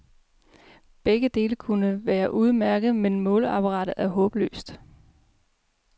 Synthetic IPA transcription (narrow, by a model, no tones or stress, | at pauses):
b̥eɡ̥əd̥e̝ːləkʰunəʋæːɐʔuð̞ˠmæɐɡ̥ð̞̩ˠmenmɔ̽ːləɑ̈pʰɑʁɑ̈ːɾ̥ð̩ˠæɐɦɔ̽ːb̥lø̰ːsd̥